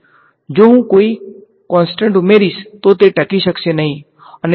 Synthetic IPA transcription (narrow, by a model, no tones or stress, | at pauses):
d͡ʒoɦũkoːi | kɔ̃ːnsʈə̃ɳʈʊmeːɾist̪ot̪eʈɐkiʃəksenɐɦĩ | ɐn